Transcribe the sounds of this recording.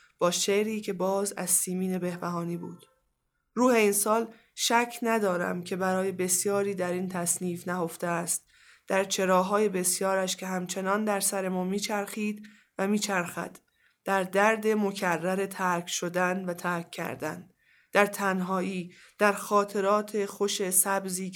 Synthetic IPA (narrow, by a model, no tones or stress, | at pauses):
b̥ɒːʃeɾiːcʰe̞bɒːzæ̰zsiːmiːne̞be̞hbæɦɒːniːbṵːd̪̥ | ɾuːhe̞insɒːl | ʃæcʰnæd̪ɒːɾæ̰mcʰe̞bæɾɒːje̞be̞sjɒːɾiːd̪æɾiːnt̪ʰæsniːfnæho̞ft̪eæst̪̚ | d̪̥æɾt͡ʃʰe̞ɾɒːɦɒːje̞be̞sjɒːɾæʃcʲʰe̞ɦæmt͡ʃʰe̞nɒːnd̪æɾsæɾe̞mɒːmiːt͡ʃʰæɾxiːd̪ | væmiːt͡ʃʰæɾxæ̰d̪̥ | d̪̥æɾd̪æɾd̪e̞mo̞cʰærːæɾe̞t̪ʰæɾkʰʃo̞d̪ænvæt̪ʰæɾkʰːæ̰ɾd̪æ̰n | d̪̥æɾt̪ʰænɦɒːʔiː | d̪̥æɾxɒːt̪ʰe̞ɾɒːt̪ʰe̞xo̞ʃe̞sæbziː